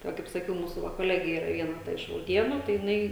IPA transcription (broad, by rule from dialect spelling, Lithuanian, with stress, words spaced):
tɐɪ ˈʋɐ kɐɪp sɐˈkʲɛʊ ˈmuːsʊ ʋɐ koːˈlʲæːɡʲeː ˈiːrɐ ˈʋʲiɛnɐ tɐ ɪʃ rɐʊˈdʲiɛnʊ tɐɪ jɪˈnɐɪ